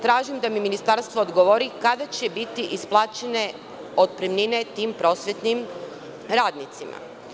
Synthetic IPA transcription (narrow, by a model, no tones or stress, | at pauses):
t̪ɾaːʒimd̪amiminist̪aɾst̪ʋoːd̪ɡoʋoɾikad̪at͡ɕebit̪iʔisplˠaːt͡ɕene̞ | o̞d̪̚pɾimnine̞t̪iːmpɾo̞ːsʋjet̪nim | ɾaːd̪nit̪sima̰